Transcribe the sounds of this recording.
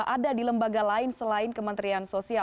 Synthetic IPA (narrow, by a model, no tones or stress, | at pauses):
ʔadadiləmbaɡalaɪnsəlaɪnkəmənt̪ɾiansosia